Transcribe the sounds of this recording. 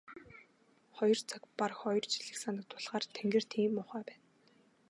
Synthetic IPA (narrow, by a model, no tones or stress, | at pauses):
χɔjɞ̆rt͡sʰakparxɔjɞ̆rt͡ɕʰi̥ɮɘ̆ksanə̆k̚t̪ʰʊɮʁaːrt̪ʰeŋɡɘ̆r̥t̪ʰiːmːʊχæːpæːn